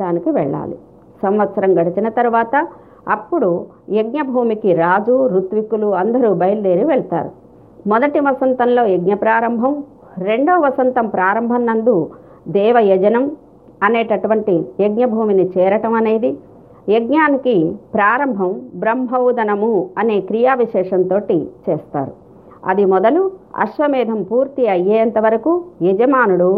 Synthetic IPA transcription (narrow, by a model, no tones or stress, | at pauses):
aːnikiʋɛɭːa̰ːlḭ | sɐmʋɐt̪sɐɾɐmɡɐɽit͡ʃinɐt̪ɐɾuʋaːt̪ɐ | ɐpːuɽu | jeɡɲɐbʱuːmikiɾaːd͡ʒuɾut̪ʋikuluɐnd̪ɐɾuːbɐjld̪eːɾiʋɛɭt̪a̰ːɾu | mɔd̪ɐʈiʋɐsɐnt̪ɐnlo̞ːjeɡɲɐpɾaːɾɐmbʱɐm | ɾe̞ɳɖoːɐʋɐsɐnt̪ɐmpɾaːɾɐmbʱɐnnɐnd̪u | d̪ɛːʋɐjɐd͡ʒɐnɐm | ɐneːʈɐʈuʋɐɳʈijeɡɲɐbʱuːminit͡ʃɛːɾɐʈɐmɐne̞ːd̪i | jeɡɲaːnikipɾaːɾɐmbʱɐmbɾɐmɦɐwd̪ɐnɐmuɐne̞ːkɾijaːʋiʃɛːʂɐnt̪o̞ːʈit͡ʃɛːst̪a̰ːɾu | ɐ̰d̪imɔd̪ɐluɐ̰ʃʋɐmɛːd̪ʱɐmpuːɾt̪iɐjːeːɐnt̪ɐʋɐɾɐkujɛd͡ʒɐmaːnuɽu